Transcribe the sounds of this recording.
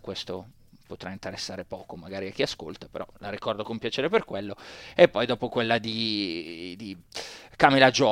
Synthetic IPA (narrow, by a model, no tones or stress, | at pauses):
kwest̪o | pot̪ɾaint̪eɾesːaːɾepɔːkomaɡaːɾiak̟ːiasko̰lt̪apeɾɔ̰laɾikɔrd̪okompjat͡ʃeːɾeperkwelːoepːɔjd̪ɔːpokwelːad̪i | d̪ikaːmilad͡ʒɔ